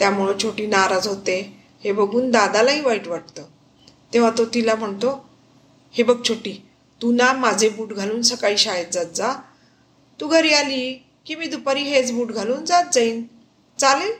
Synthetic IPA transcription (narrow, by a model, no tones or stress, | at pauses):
t̪jam̤uɭət͡ɕʰoʈiːnaɾad͡zɦot̪e | hebəɡʱuːnd̪ad̪alaɦiːʋaiʈʋaʈ̚t̪əː | t̪ẽʋ̤at̪ot̪ilam̤əɳt̪o | hebəɡ̚t͡ɕʰoʈiː | t̪unamad͡zʱebuːʈɡʱaluːnsəkaiːɕajet̪̚d͡zat̪̚d͡za | t̪uːɡʱəɾiːaliː | kimiːd̪upaɾiːɦet͡sbuːʈɡʱaluːnd͡zat̪̚d͡zəiːn | t͡salel